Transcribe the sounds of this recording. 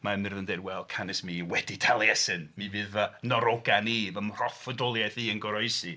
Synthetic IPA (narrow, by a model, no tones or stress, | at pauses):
mamɪrðəndeːdwɛlˠkʰanɪsmiwɛditʰalˠjɛsɨnmivɨːðənɔɾɔɡanivəmr̥ɔfədɔlˠjaθiːənɡɔɾɔɨsi